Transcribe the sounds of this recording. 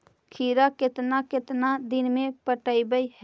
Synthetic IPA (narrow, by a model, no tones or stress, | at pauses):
kʰiɾaket̪naket̪nad̪inmẽpəʈəibəjɦ